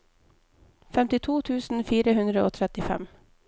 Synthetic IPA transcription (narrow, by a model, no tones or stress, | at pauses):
fɛmt̪ɪt̪ʰuːt̪ʰʉːsn̩fiːɾəɦɵnd̪ɾəo̰ːt̪ʰɾɛt̪ːɪfɛ̰m